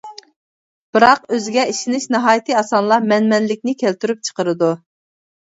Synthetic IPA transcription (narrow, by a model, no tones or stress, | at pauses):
b̥ɨɾɑqøzɪɡʲɛiʃinɪʃnɨɦɑːjit̪ʰɨɑsɑnlˠɑmɛnmɛnlɪkʲnɪkʲʰælt̪ʰyɾyp̚t͡ʃʰə̥qəɾɨd̪u